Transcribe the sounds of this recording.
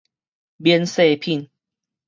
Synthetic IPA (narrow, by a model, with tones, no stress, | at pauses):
bjɛ˧˦nse˥˧˨pʰi˥˨n